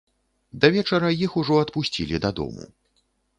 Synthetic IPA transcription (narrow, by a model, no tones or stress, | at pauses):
d̪ɐvʲɛt͡ʂɐɾɐjixuʐɔɐt̪pusʲt͡sʲḭlʲid̪ɐd̪ɔ̰mṵ